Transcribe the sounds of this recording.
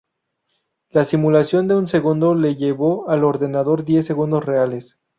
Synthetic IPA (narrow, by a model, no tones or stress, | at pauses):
lasimulasjo̞nd̪e̞unse̞ɣund̪o̞leʝe̞βo̞alo̞ɾðe̞naðo̞ɾðje̞s̬ːe̞ɣund̪o̞sre̞ale̞s